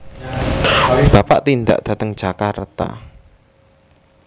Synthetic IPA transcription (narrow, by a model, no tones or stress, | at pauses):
b̥apa̰ʔt̪ind̪a̰ʔd̪̥ä̤t̪əŋd̥ʒ̥akart̪a̰